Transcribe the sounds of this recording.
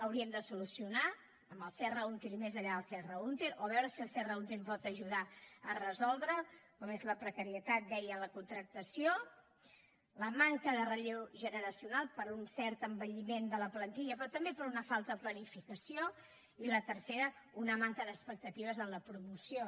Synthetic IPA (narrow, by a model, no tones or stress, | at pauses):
əwɾiəmd̪əsulusiuna | əmbəlˠsɛrəunt̪eɾimezəʎaðəlˠsɛrəunt̪eɾoβ̞ɛwɾəsiəlˠsɛrəunt̪eɾpɔt̪əʒuð̞aərəzɔlˠd̪ɾəkɔmezləpɾəkəɾiət̪at̪̚d̪ɛjələkunt̪ɾək̚t̪əsio | ləmaŋkəðərəʎewʒənəɾəsiunalˠpəɾunsɛɾt̪əmbəʎimend̪ələplənt̪iʎəpɾɔt̪əmbepəɾunəfalˠt̪əplənifikəsio | ilət̪ərseɾəunəmaŋkəðəspək̚t̪ət̪iβ̞əzənləpɾumusio